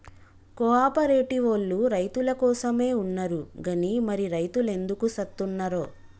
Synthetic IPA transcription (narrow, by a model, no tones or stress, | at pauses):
kɔaːpɐɾe̞ːʈiʋolːuɾɐjt̪ulɐkɔːsɐme̞ːunːɐɾuɡɐnimɐɾiɾɐjt̪ule̞nd̪ukusɐt̪ːunːɐɾoː